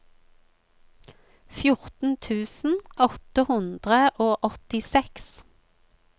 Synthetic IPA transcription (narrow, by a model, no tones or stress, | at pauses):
fjʊʁt̪n̩t̪ʰʉːsn̩ʔɔt̪əhʉnd̪ʁəʔoːʔɔt̪ɪsɛks